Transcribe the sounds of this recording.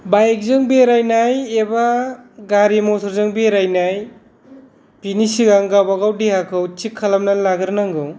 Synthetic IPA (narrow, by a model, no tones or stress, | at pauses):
bajk̚zɯŋbeɾajnajebaɡaɾimɔtʰɔɾzɯŋbeɾajnaj | pinisiɡaŋɡabaɡawdihakʰɯwt͡ʃikʰːalamnanlaɡɯɾnaŋɡɯw